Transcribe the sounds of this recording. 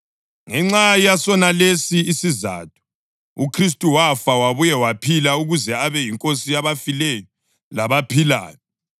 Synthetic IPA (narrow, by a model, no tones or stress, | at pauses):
ŋɛŋ͡ǁaijasɔnalesiːsiza̰ːtʰu̥ | ukʰris̬tʼuwafawaβujɛwapʰilauɣuzɛaβɛjiŋkʼosijaβafilɛjɔ | laβapʰila̰ːjɔ